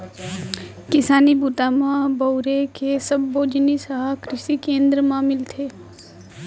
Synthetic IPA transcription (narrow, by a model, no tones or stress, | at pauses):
kɪsaːnibuːt̪amãbəʊɾekesəbːoːd͡ʒnisəɦakɾɪʃikẽːnd̪ɾəmãmɪlt̪ʰeː